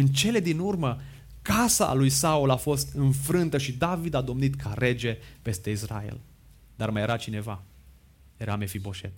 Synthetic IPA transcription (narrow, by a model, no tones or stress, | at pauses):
ɨnt͡ʃe̞le̞d̪inurmə | kasa̰lujsaulafo̞st̪ɨnfɾɨnt̪əʃid̪avid̪ad̪o̞mnit̪kʰaɾe̞d͡ʒe̞pe̞st̪e̞isra̰ḛl | d̪̥armaje̞ɾat͡ʃine̞va | je̞ɾame̞fibo̞ʃe̞̰t̪